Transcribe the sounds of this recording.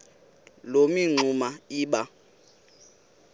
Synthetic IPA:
lomiŋ͡ǀumaiːɓa

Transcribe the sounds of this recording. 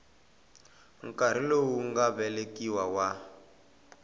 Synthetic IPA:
ŋ̩kʼaɾ̤ilowuŋɡaβɛlekiwawa

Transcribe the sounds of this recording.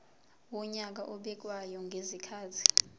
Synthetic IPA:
wɔɲak̬aʔɔɓɛk̬ʼwajɔŋɡʱezikʰaːzʰi̥

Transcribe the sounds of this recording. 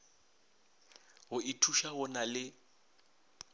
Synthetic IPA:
ɦʊɪtʰuʃaɦʊnalɪ

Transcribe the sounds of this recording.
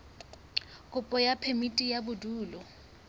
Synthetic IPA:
kʼʊpʼɔjapʰemitʼijabʊduːlɔ

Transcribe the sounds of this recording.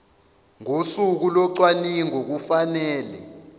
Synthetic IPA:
ŋosuk̬ulɔǀwaniŋok̬ufanɛːlɛ̰

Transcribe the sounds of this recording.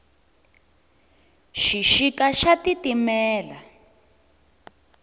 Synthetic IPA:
ʃiʃikaʃatitimɛːla

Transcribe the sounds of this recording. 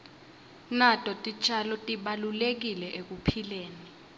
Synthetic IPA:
natʼɔtʼit͡ʃʰʼalɔtʼiɓalulek̬ilɛʔek̬upʰileːni

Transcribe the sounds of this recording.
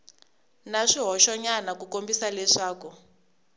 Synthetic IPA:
naʂiɦɔʃɔɲanakukombisalɛʂaːku

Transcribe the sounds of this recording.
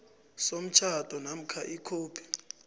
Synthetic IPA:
som̩t͡ʃʰad̥ʱɔnam̩kʰaʔikʰoːpʰi̥

